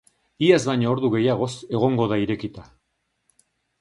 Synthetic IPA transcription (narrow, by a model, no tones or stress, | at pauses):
iazβajɲooɾðuɣe̞jaɣ̞o̞se̞ɣ̞o̞ŋɡo̞ðaiɾe̞kit̪a